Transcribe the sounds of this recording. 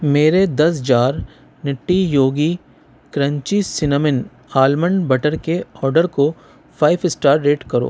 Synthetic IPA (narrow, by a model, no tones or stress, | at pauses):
meːɾed̪ɐs̬d͡ʒaːɾ | nɪʈːijoːɡi | kɾə̃ɲt͡ʃisɪnəmɪn | aːlməɳɖbɐʈəɾkeɔːɾɖəɾko | pʰaːɪʋɪsʈaːɾːeːʈkɐɾo̰ː